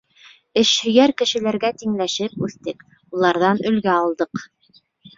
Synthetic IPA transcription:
ɘʃhɵ̆jæɾkɘ̆ʃɘ̆læɾɡæt̪iŋlæʃɘpʉθt̪ɘk | ulˠɑɾðɑnɵ̆lɡæɑlˠd̪ɤq

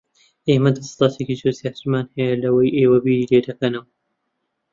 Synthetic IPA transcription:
ʔeːmɐd̪ɐsɑ̥lˠɑːt̪ʰekit͡ʃosjaːt̪ɨɾmaːnhɐjɐlɐwɐjʔeːwɐbiːɾiːleːd̪ɐkɐnɐw

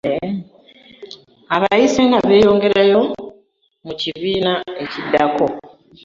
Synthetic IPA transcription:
aβajiseŋɡaβe̞ːjo̞ːŋɡe̞ɾajo̞ | muciβiːnae̞cidːako̞

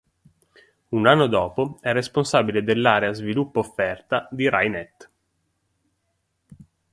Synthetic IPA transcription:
unanːod̪ɔːpoɛrːesponsaːbiled̪elːaːɾeazvilupːoofːɛrt̪ad̪iɾa̰jnɛt̪ː

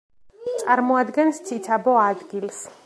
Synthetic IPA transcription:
t̪sʼaɾmɔad̪ɡɛnst̪sʰit̪sʰabɔad̪ɡils

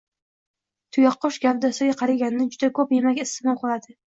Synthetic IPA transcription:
t̪ʰʊjɑqːɒʃɡʲap̚d̪asaɡʲaqʰɑɾaɡʲannɪd͡ʒʊd̪akʰɵpjemakʲɪst̪ɪmɒlˠqʰɨlˠad̪ɪ

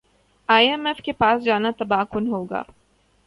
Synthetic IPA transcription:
aːjɛmɛfkepaːsd͡ʒaːnat̪ɐbaːkʊnɦoːɡa̰ː

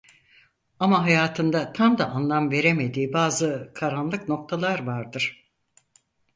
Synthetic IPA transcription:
amaɦajaːt̪ʰɯnd̪at̪ʰamd̪aʔanlˠamve̞ɾe̞me̞d̪iːbaːzɯkʰaɾanlˠɯkno̞k̚t̪ʰalˠaɾvaɾd̪ɯɾ̥

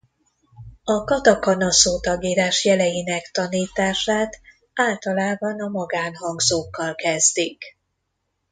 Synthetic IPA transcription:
ɒkɒt̪ɒkɒnɒsoːt̪ɒɡiːɾaːʃjɛlɛjinɛkt̪ɒniːt̪aːʃaːt̪ | aːlt̪ɒlaːbɒnɒmɒɡaːnɦɒŋɡzoːkːɒlkɛzd̪ik

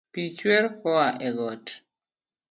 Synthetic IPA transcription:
pit͡ʃwɛɾkɔaʔɛɡɔt

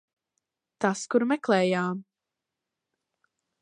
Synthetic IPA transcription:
t̪askuɾmɛklɛːjaːm

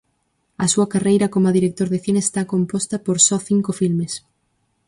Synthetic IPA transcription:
ɐsuɐkarejɾɐkomaðiɾek̚t̪oɾðeθineːst̪akompɔst̪ɐpoɾsɔθiŋkofilmes

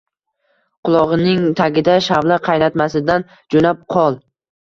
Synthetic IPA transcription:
qʊlˠɒʁɨnɪŋt̪ʰaɡʲɪd̪aʃavlaqʰɑjnat̪masɪd̪an | d͡ʒonap̚qʰɒlˠ

